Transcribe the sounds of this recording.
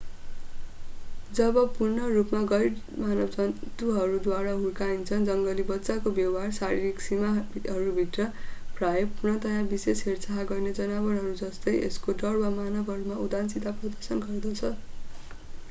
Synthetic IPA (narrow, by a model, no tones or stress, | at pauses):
d͡zʌbʌpurnʌrupmaɡʌj | manʌbd͡zʌt̪uɦʌɾud̪waɽaɦulkaint͡sʰʌnd͡zʌŋɡʌlibʌtːsakobjʌɦarsaɾiɾiksimaɦʌɾubʱiʈrʌprajʌpurnʌt̪ʌjãbisesɦert͡saɦaɡʌrned͡zʌnabʌrɦʌɾud͡zʌst̪ʌjḛskoɖʌrbamanʌbʱɦʌɾumaud̪ansit̪aprʌd̪ʌrsʌnɡʌrd̪ʌt͡sʰʌ